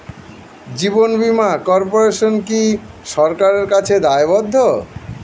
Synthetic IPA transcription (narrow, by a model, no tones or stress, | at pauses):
d͡ʑibonbimakɔɾpoɾeʃonki | ʃɔɾkaɾeɾkat͡ɕʰed̪aebɔd̪ʱːo